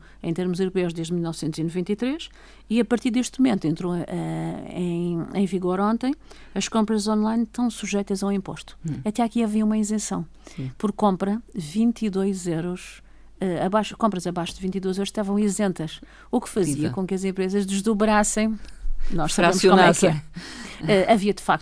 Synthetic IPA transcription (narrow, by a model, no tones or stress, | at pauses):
ɐ̃j̃t̪eɾmuzewɾupewʒd̪eʒd̪milˠnɔvsẽnt̪zinuvẽnt̪ɐit̪ɾeʃ | iɐpɐɾt̪iɾd̪eʃt̪mumẽnt̪uẽnt̪ɾoʔɛḛ̃j̃ẽj̃viɣoɾõnt̪ɐ̃j̃ | ɐʃkõmpɾɐzɔ̃nlˠajnʃt̪ɐ̃w̃suʒɛjt̪ɐzɐaw̃ĩmpo̰ʃt̪u̥ɐt̪ɛakiɐviɐumɐĩzẽsɐ̃w̃ | puɾkːõmpɾɐvĩnt̪iðojzewɾuʃ | ɛɐβaʃkõmpɾɐzɐβaʃud̪vĩnt̪iðojzewɾʃt̪avɐ̃w̃izẽnt̪ɐʃ | ukfɐziɐkõkɐzẽmpɾezɐʒd̪ɨʒðuβɾasẽj̃nɔʃsɐβemuʃkomɛkɛɾ | ɛɐviɐd̪ɨfak̚t̪